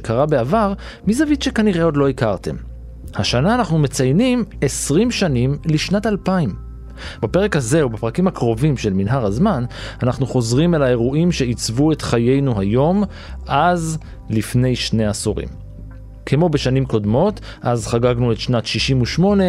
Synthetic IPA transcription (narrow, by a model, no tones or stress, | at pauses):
kʰaʁabeavaʁ | mizavit̪ʃe̞kaniʁe̞o̞dlo̞ikaʁte̞̰m | haʃanaːnaχnume̞t͡sajnimesʁimʃanimliʃnatalpaim | bape̞ʁekhaze̞ubapʁakimhakʁo̞vimʃe̞lminɦaʁhazmananaχnuχo̞zʁimelae̞ʁuimʃe̞it͡svue̞tχaje̞jnuɦajo̞m | ʔaz | lifne̞jʃne̞asuʁḭm | kʰemo̞beʃanimko̞dmo̞t | ʔazχaɡaɡnuetʃnatʃiʃimuʃmo̞ne